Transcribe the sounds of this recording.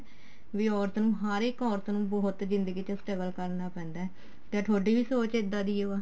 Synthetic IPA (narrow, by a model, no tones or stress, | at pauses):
ʋiːɔːɾt̪nũːɦaːɾekɔːɾt̪nũːbɔːʊt̪zɪnd̪əɡiːt͡ʃəsʈəɡəlkəɾnaːpɛ̃ːnd̪aːɛ | t̪ẽːʈʰoːɖiːbiːsoːt͡ʃɪd̪ːaːd̪iːoːaː